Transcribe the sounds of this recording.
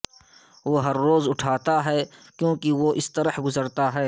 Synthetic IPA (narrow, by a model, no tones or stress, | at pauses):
ʋoːɦɐɾːoːzʊʈʰaːt̪aɦɛːkjõːkiʋoʔɪst̪ɐɾəhɡʊzəɾt̪aɦɛː